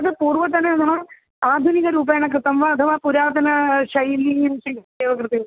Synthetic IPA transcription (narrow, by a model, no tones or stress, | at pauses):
ɐðɨpuːrʋɐt̪ːɐnːeɐnːɐɐ | aːd̪ʱuniɣɐɾuːb̬ɐjɳɐk̬ːrɨt̪ːɐmʋaːd̪ʱɐʋaːpuɾaːd̪ʱɐnɐɕɐjlːijumsiŋd̪eːʋɐkrɨt̪ːiu